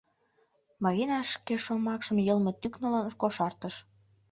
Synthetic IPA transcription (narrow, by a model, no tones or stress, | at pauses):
mɑɣinɑʃkeʃomɑkʃə̆mjɤlmĕt̪yknə̆lənəʃkoʃɑrt̪əʃ